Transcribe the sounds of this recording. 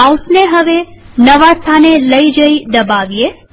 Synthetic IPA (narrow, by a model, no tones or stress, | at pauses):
ausneɦəʋenəʋast̪ʰaneləid͡ʒəid̪əbaʋie